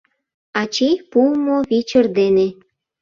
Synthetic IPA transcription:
ɑt͡ɕejpulmoβit͡ɕərd̪ene

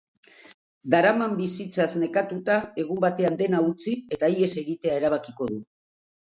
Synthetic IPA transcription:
d̪aɾamambisit͡sazne̞kat̪ut̪ae̞ɣ̞umbat̪e̞and̪e̞naut͡sie̞t̪aie̞se̞ɣit̪e̞ae̞ɾaβ̞akiko̞ðu

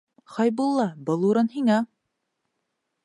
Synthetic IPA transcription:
χɑjbulˠːɑbɤ̆lˠuɾɤnhiŋæ

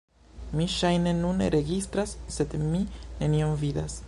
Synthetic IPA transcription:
miʃajne̞nunɾe̞ɡistɾasːe̞dmine̞nio̞mvidas

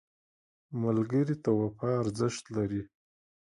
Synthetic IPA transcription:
malɡəɾit̪awapʰɑːɾzəʃt̪laɾi

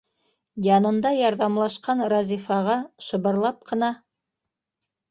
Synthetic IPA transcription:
jɑnɤ̆nd̪ɑjɑɾðɑmlˠɑʃqɑnrɑzʲifɑʁɑʃɤ̆βɤ̆ɾlˠɑp̚qɤ̆nɑ

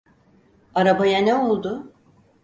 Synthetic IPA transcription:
aɾabajanɛolˠd̪ʊ

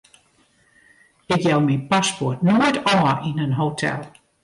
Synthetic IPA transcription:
ɪkjɛlˠminpaspotnoːjtɔːəʔinənɦotʰɛ̰lˠ

